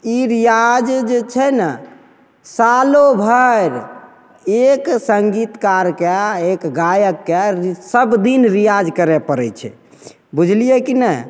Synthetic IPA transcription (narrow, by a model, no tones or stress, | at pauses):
iɾijad͡ʒd͡ʒet͡ʃʰɛnə | salobʱəɾ | eksəŋɡit̪kaɾkeekɡajəkːesəbd̪inɾijad͡ʒkəɾɛpəɾɛt͡ʃʰɛ̰ | bud͡ʒʱlijɛkinɛ